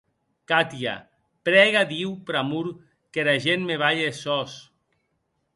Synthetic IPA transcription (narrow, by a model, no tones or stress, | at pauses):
kat̪ia̰ | pɾɛɣad̪iwpɾamuɾ | keɾaʒenmeβ̞aʎesɔs